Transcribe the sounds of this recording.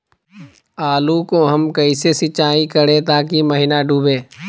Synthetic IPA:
aːlukoɦəmkəisesɪt͡ʃaːikəɽẽt̪aːkiməɦɪnaɖʱuːbeː

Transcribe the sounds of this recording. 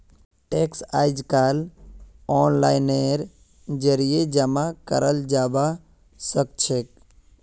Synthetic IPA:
ʈeksaːjd͡ʒkaːl | ɔːnlaːɪneɾ | d͡ʒəɾijed͡ʒəmakə̰ɾəld͡ʒaːba | sək̚t͡ʃʰek

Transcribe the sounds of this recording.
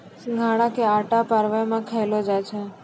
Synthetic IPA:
ɡʱaɽ̃ãkeaʈapaɾʋamãkʰəjlod͡ʒajt͡ʃʰe

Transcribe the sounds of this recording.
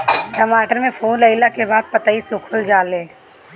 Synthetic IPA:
ʈɐmaːʈəɾmẽfʰoːnləɪlakebaːd̪̚pɐt̪aisʊkʰʊld͡ʒaːleː

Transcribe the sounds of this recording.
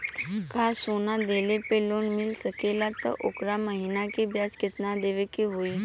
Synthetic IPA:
kasonad̪elepeloːnmilsəkelat̪ə̰ʔo̰kɾaməɦinakebjaskit̪nad̪eʋekiɦoi

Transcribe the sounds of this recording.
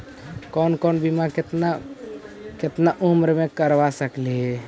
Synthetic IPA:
kɔːnkɔnbimãkɪt̪na | kɪt̪naʔumɾmẽkəɾʋasəkleɦ

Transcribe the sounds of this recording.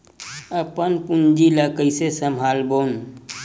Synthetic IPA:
əpənpʊnd͡ʒiləkəjsesəmɦaːlboːn

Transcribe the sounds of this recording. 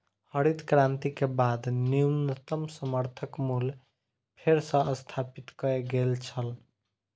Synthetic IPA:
həɾid̪kɾãnt̪ikebad̪niumnət̪əmsəməɾt̪ʰəkmul | pʰeɾsə̃əst̪ʰapit̪kəeɡelt͡ʃʰəl

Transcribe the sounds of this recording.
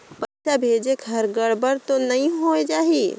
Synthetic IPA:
pɐt͡ʃabʱeːd͡ʒekɦɐɾɡəɽbəɾt̪onɐɦĩɦoːed͡ʒaːɦiː

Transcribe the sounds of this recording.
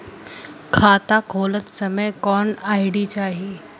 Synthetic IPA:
kʰaːt̪akʰoːlət̪səməjkɔːnaːjɽit͡ɕaːɦi

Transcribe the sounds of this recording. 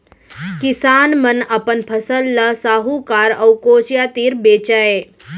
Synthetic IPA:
kɪsaːnmənɐpənpʰɐsəlːasaːɦukaːɾɐwkoːt͡ʃjaːt̪iːɾbeːt͡ʃae

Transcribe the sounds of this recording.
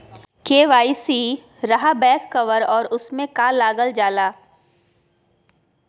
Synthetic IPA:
keːʋaːisiː | ɾɐɦabɛ̃ːkːɐʋəɾɔːɾʊsmẽkaːlaːɡəld͡ʒaːlaː

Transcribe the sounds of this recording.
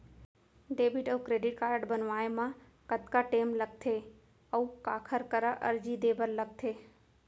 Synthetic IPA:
ɖ̪eːbʱiʈəukɾeɖɪʈ̚kaːɾɖbənʋaːemã | kət̪kaʈeːmlək̚t̪ʰe | əũkaːkʰəɾkəɾaʔə̰ɾd͡ʒid̪eːbʱəɾlək̚t̪ʰe

